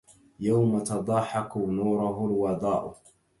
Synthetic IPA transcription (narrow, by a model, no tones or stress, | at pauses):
jawmat̪ɑd̪ˤɑːħɑkunuːɾʊɦʊlwɑd̪ˤɑːʔʊ